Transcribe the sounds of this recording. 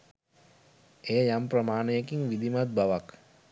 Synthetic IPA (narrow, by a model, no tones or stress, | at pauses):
ejəjamprəmaːnəjekiŋʋid̪imat̪̚baʋak